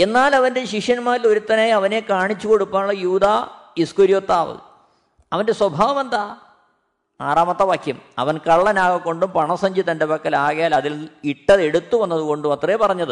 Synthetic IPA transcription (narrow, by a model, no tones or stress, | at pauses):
e̞nːaːlɐʋɐnde̞ɕikʂjɐnmaːɾilo̞ɾut̪ːɐnaːjɐʋɐne̞kaːɳit͡ɕːuko̞ɽupːaːɭːɐjuːd̪aːiskuɾjoːt̪ːaːʋɨ̰ | ɐʋɐnde̞swɐbʱaːʋɐme̞nd̪aː | aːraːmɐt̪ːɐʋaːkʰjɐmɐ̰ʋɐnkɐɭːɐnaːɣɐkːo̞ɳɖumpɐɳɐsɐɲd͡ʑit̪ːɐndebɐkːɐlaːɣɐjaːlɐðiliʈːɐðe̞ɽut̪ːuʋɐnːɐðuɣo̞ɳɖumɐt̪repɐrɐɲːɐðɨ